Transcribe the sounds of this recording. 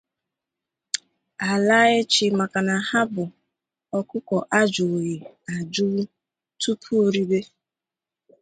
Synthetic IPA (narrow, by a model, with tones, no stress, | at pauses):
a˨la˦ɣɪ˦t͡ʃi˨ma˨ka˨na˨ha˦bʊ˨ | ɔ˨kʊ˦kɔ˨ʔa˦d͡ʒo˨ji˨a˨d͡ʒu˦ | tu˦pʰu˦o˨ɾi˦be˦